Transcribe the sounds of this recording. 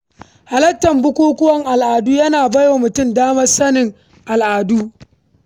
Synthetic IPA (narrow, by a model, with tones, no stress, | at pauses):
ha˨lɐ˦tːɐ˨mbʊ˦kʷuː˦kʷʊ˦wɐ˦ŋʔa˨lʔaː˨duː˦jɐ˦naː˨bɐ˦joː˨mʊ˨tʊ˦mdaː˦mɐ˦rsɐ˦nɪ˨ŋ | ʔa˨lʔaː˨duː˦